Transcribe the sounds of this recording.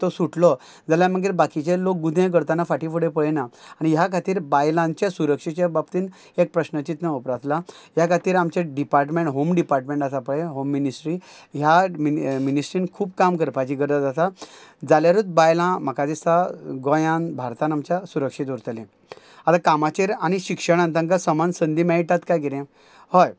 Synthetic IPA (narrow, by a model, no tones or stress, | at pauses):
t̪ɔsuʈlɔ | d͡zaljaməɡiːɾbakit͡ɕelok̚ɡud̪ʱẽɡəɾt̪anafaʈifuɽepəɭnaaɽ̃iɦjakʰat̪iːɾbajlãɲt͡ɕasuɾəkʂit͡ɕabab̚t̪iːn | ek̚pɾəɕnət͡ɕit̪nəupɾat̪ʰlãɦjakʰat̪iːɾamt͡ɕeɖipaɾʈmẽɳʈɦomɖipaɾʈmẽɳʈasapəɭeɦomːinisʈɾiɦjaminisʈɾiːnkʰuːbkamkəɾpad͡ʑiɡəɾd̪at̪d͡zat̪ad͡zaljaɾut̪̚bajlãm̤əkad͡zesaɡɔ̃jãnbʱaɾt̪anamt͡ɕasuɾəkʂit̪uɾt̪əlẽ | at̪akamat͡ɕeɾaɽ̃iɕikʂəɽ̃ãnt̪ãŋkasəmansənd̪imaiʈat̪kajɡiɾẽ | hɔj